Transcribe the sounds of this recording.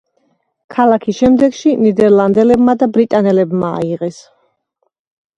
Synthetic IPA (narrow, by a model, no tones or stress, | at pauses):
kʰalˠakʰisʃɛmd̪ɛɡʃinid̪ɛɾlˠand̪ɛlɛbmad̪abɾit̪ʼanɛlɛbma̰ːiʁɛs